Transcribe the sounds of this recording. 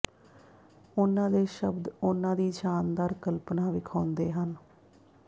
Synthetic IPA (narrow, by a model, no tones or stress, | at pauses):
ʊnãːd̪eːʃəbd̪ʊnãːd̪iːd͡ʒaːnd̪aːɾkəlpnãːʋɪkʰaːʊ̃nd̪eːɦən